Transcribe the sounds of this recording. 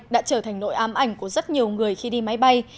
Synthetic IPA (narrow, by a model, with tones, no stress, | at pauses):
ɗa̰ː˧˥t͡ɕəː˧˩t̪ʰa˨˩ŋ̟lo̰˧˥jʔaː˨˦mʔa˧˩jŋ̟ku˧˩əzə˦˥t̚ɲi˨˩əwŋɨ˨˩əjxi˧ɗi˧ma˨˦jɓa˧j